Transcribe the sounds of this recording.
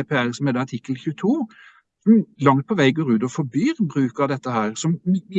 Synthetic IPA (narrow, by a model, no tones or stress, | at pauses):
eːpʰeːælsɔm̩hɛːd̪ɛɑʈʰɪkːəlçʉːt̪ʰuː | sɔmlɑŋt̪̚pʰɔʋæɪɡoːɾʉːd̪ɔfɔɾbyːɾbɾʉːkəd̪ɛt̪ːəhæːɾsɔm